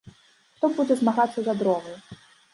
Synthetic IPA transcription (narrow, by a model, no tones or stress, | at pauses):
xt̪ɔbud͡zʲɛzmaɣat̪sːɐzad̪ɾɔɣɐj